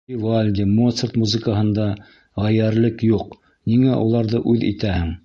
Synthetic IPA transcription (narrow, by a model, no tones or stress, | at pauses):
ivalʲd̪ʲɪmot̪sərt̪muzɨ̆kəɦɤ̆nd̪ɑ | ʁæjæɾlɘkjuq̚ | niŋæʔulˠɑɾðɤʔʉðḭt̪æhɘŋ